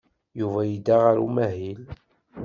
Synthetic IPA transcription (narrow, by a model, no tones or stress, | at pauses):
juvæjid̪aʁaɾṵmæɦil